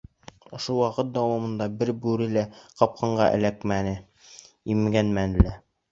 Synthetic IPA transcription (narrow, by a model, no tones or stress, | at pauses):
ŏʃowɑqɤt̪̚d̪ɑwɑmɤ̆nd̪ɑbɘɾbʉɾɘ̆læqɑp̚qʰɑɴɢɑ̰ʔɘ̰̆lækmænɘ | imɡænmænlæ